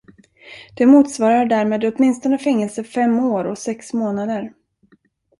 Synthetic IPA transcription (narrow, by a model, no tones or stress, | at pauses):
d̪̥ɛmuːt̪svɑːɾaɖæɾmeːd̪ɔt̪mɪnst̪ɔnəfɛŋːɛlsəfɛmːoːɾɔsɛksmoːnad̪əɾ